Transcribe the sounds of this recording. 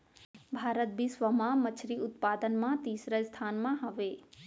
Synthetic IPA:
bʱaːɾət̪̚bisʋəmãmət͡ʃʰɾiʊt̪pad̪ənmãt̪iːsɾəst̪ʰanmãɦəʋe

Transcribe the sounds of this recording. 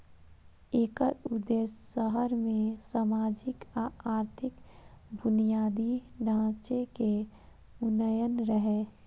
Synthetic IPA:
eːkəɾʊd̪eːsːəɦəɾmẽsaːmaːd͡ʒɪkaaːɾt̪ʰɪkbʊnijaːd̪iɖʱãːt͡ʃeke | ʊnəjənɾəɦe

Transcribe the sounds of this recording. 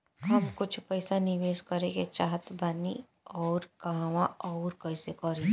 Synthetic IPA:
ɦɐmkʊt͡ʃʰpɛɪsanɪʋeːskɐɾẽket͡ʃaːɦət̪bani | ɔːɾkaɦʋãɔːɾkɐɪsekɔɾẽː

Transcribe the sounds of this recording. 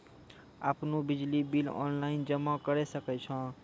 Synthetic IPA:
a̰pnobid͡ʒlibilɔ̰nlaind͡ʒəmːakəɾɛsəkɛt͡ʃʰʌ̃

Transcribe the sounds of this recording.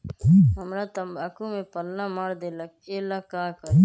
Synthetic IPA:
ɦəmɾat̪ɐmbaːkumẽpəlnamaːɾd̪elakkeːlakaːkəɾ

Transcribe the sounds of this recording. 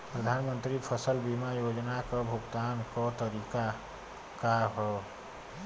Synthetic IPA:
pɾəd̪ʱanmənt̪ɾipʰəsəlbimajod͡ʒnakəbʱuɡt̪ankət̪əɾika | kaɦɔ

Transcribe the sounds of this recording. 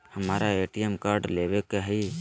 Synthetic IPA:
həmaːɾaeːʈijemkaɾɖlebekɛɦi

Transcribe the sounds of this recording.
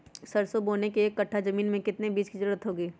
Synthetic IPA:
sɐɾsoboːnekeːkːɐʈʰːazɐmiːnmẽkɪt̪nebiːd͡ʒkizɐɾuːɾət̪ɦoːɡiː

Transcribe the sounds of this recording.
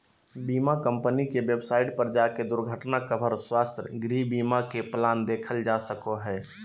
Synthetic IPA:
biːmakə̃mpənikeʋjebsaːɪʈpəɾəd͡ʒaked̪ʊɾɡʱəʈnakəbʱəɾswaːst̪ɾəɡɾibiːmakeplaːnd̪eːkʰəld͡ʒasəkoɦɛː

